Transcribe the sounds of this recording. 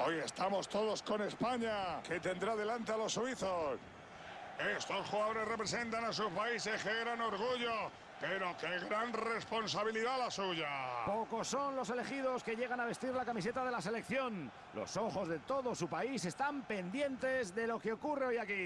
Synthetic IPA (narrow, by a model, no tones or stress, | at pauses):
o̞je̞st̪amo̞st̪oðosko̞ne̞spaɲake̞t̪̬e̞nd̪ɾaðe̞lant̪ealo̞suiθos | e̞st̪o̞sxuɣaðo̞ɾe̞zre̞pɾese̞nt̪anas̬uspaisesxeeɾano̞ɾɣ̞uʝo̞ | pe̞ɾo̞keɣɾanre̞spo̞nsaβiliðalasuʝapo̞ko̞sːo̞nlo̞se̞le̞xiðo̞ske̞ʝe̞ɣ̞anaβe̞st̪iɾlakamise̞t̪að̞e̞lase̞le̞kθjo̞n | lʔo̞̰so̞xo̞zðe̞t̪o̞ðosupaise̞st̪ampe̞nd̪je̞nt̪e̞zðe̞lo̞keokure̞ojaki